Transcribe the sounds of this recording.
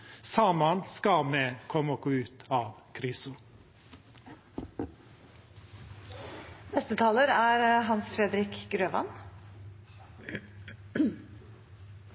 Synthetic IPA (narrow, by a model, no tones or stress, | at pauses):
sɑːmɑnskɑmeːkʰɔmoːɡ̥oːʉːt̪ʰɑːʋkʰɾɪsʊ | nɛst̪ət̪ʰɑːləɾæːɾɦɑnsfɾɛd̪ɾɪkɡɾøːʋɑ̰n